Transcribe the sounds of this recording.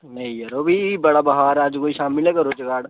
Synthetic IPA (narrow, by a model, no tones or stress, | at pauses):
nɐĩjɐɾoːbʱibɐɽabɐɦaːɾaːd͡ʒkoːiʃaːmɪlnekəɾot͡ʃəkaːɽ